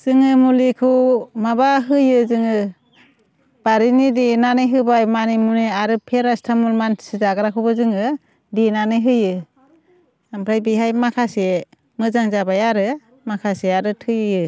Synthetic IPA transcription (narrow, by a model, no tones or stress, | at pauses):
z̥ɯŋɯmulikʰɯmabaɦɯjɯzɯŋɯ | b̥aɾinidinanɯjɦɯbajmanimuneaɾɯpʰeɾastʰamulmansizaɡaɾakʰubɯzɯŋɯ | dinanɯjɦɯjɯ | ampʰɾajbiɦajmakʰase | mɯzaŋzabajaɾɯ | makʰaseaɾɯtʰɯjɯjɯ